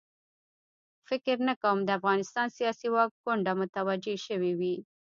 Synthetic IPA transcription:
fɪkɪɾnakawəmd̪əafɣɑnɪst̪ɑnsijɑsiwɑk̚ɡʊɳɖamʊt̪awad͡ʒeʃəwiwi

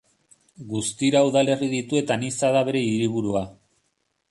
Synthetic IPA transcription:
ɡust̪iɾauðale̞riðit̪ue̞t̪anisaðaβe̞ɾe̞iɾiβ̞uɾua

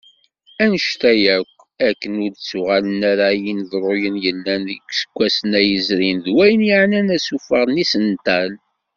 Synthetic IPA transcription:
ænəʃt̪æjækʷː | ækːənʊɾt͡sːʊʁalənæɾajinðrˤʊjənjəlːænðəkʷːsə̥kʷːæsənæjəzɾinðwæjənjaʕnænæsufəʁnisənt̪æl

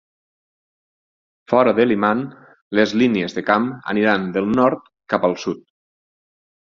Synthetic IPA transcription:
fɔɾəðeliman | lezliniezðekamə̰niɾand̪əlˠnɔɾt̪ | kapəlˠsut̪̚

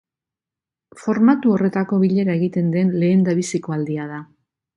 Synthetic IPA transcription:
fo̞ɾmat̪uo̞re̞t̪ako̞βiʎe̞ɾae̞ɣit̪e̞nd̪e̞nle̞ːnd̪aβisiko̞ald̪iaða

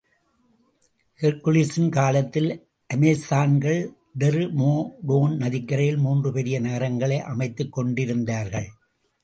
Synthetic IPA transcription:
hɛɾkʊlisɪnkaːlɐt̪ːɪl | ʔɐmest̪aːnɡɐɭ | ɖɛɾmoːɖoːnnɐðɪkːɐɾɐjɪlmuːndrɯpɛɾɪjɐnɐɣɐɾɐŋɡɐɭɐɪʔɐmɐɪt̪ːɯkːɔɳɖɪɾɯnd̪aːɾɣɐɭ

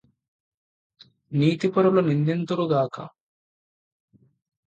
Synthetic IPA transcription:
niːt̪ipɐɾulunind̪int̪uɾuɡaːkɐ̰

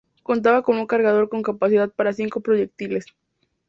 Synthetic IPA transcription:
ko̞nt̪̬aβakomuŋkaɾɣað̞o̞ɾko̞ŋkapasiðað̚paɾasiŋko̞pɾo̞ʝek̚t̪ile̞s

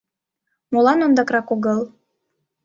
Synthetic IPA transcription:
molɑnond̪ɑkrɑkoɣɤlˠ

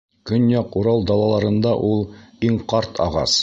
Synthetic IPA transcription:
kɵnjɑquɾɑlˠd̪ɑlˠɑlˠɑɾɤ̆nd̪ɑʔulˠiɴqɑɾt̪ʰɑ̰ʁɑ̰s

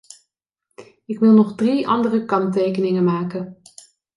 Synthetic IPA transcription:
ɪkʋɪlˠnɔχdriɑ̰ndərəkɑntejkənɪŋəmaːkən

